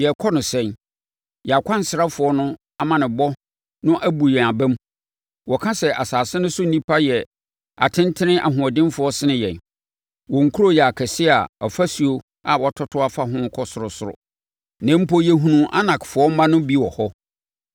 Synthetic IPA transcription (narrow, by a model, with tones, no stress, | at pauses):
jɛ˨kʰɔ˦nʊ̃˨sɛ̃˦n | jɛ˨a˨kʰʷã˦n˨sɪ˨ɾa˦fʊ˨ɔ˦nʊ̃˦ | a˨mã˨nɪ̃˨bɔ˦ | nʊ̃˦ʔæ˦bu˨jɛ̃˨a˨bæ̃˦m | wɔ˨kʰã˦sɛ˨ʔa˨saː˨sɪ̃˦nʊ̃˦sʊ˦n̩˦nĩ˦pʰa˦jɛ˨ | a̰˨tʰɪ̃˦n˦tʰɪ˦nɪ̃˦ʔa̰˨ɦʊ̃˨ɔ˨dɪ̃˦m˦fʊ˨˦ɔ˦sɪ˦nɪ̃˦jɛ̃˨n | wɔ̃˨ŋ̩˨kʰu˦ɾo˦jɛ˨a˨kʰɛ˨sɪ˦a˨ɔ˨fa˦si˨o˦ | a˨wɔ˨tʰɔ˦tʰʊ˦a˨fa˦ɦʊ̃˦kʰɔ˦sʊ˨ɾʊ˨sʊ˨ɾʊ̰˨ | nã˨˦m̩˦pɔ˦jɛ˨ɦũ˨nũ˨ʔa̰˦nã˨kfʊ˨ɔ˦m˦mã˦nʊ̃˦bi˦wɔ˨hɔ˦